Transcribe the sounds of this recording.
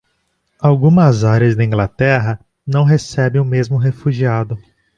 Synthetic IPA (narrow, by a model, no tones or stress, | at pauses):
awɡũmɐzaɾɐzd̪ɐĩŋɡlat̪ɛɦɐ | nɐ̃w̃ɦesɛbẽʊmezmʊɦefuʒiad̪ʊ